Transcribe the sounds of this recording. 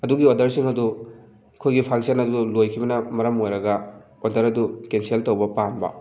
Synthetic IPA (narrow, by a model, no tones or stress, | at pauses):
ɐduɡiodɐɾsiŋɐdu | kʰojɡipʰaŋsɐnɐdulojkʰibɐnɐmɐɾɐmojɾɐɡɐ | odɐɾɐdukenseltɐwbɐpambɐ̰